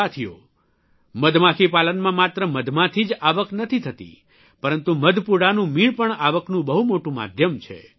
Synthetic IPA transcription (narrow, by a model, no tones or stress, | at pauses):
at̪ʰijo̰ | məd̪ʱmãkʰipalənmãmat̪ɾəməd̪ʱmãt̪ʰid͡ʒaʋəknət̪ʰit̪ʰət̪ḭ | pəɾənt̪uməd̪ʱpuɽanũmiɭpəɳaʋəknũbəɦumoʈũma̰d̪ʱjəmt͡ʃʰḛ